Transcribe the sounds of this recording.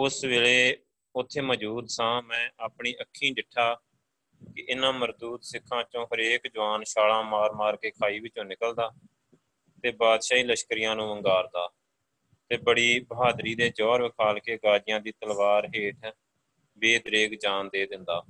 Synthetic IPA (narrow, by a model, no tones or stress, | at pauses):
ʊsʋeːleː | ʊt̪ʰːeːməd͡ʒuːd̪sãːmɛ̃ːʔaːpɳiːʔəkʰːĩːɖɪʈʰːaː | kɪʔɪnãːməɾd̪uːt̪sɪkʰːãːt͡ʃõːɦəɾeːkd͡ʒəʋaːnʃaːlãːmaːɾmaːɾkeːkʰaːiːʋɪt͡ʃõːnɪkəld̪aː | t̪eːbaːd̪ʃaːiːləʃkɾɪjãːnũːʋəŋɡaːɾd̪aː | t̪eːbəɽiːbəɦaːd̪ɾiːd̪eːd͡ʒɔːɾʋɪkʰaːlkeːɡaːd͡ʒɪjãːd̪iːt̪əlʋaːɾɦeːʈʰ | beːd̪ɾeːɡd͡ʒaːnd̪eːd̪ɪnd̪aː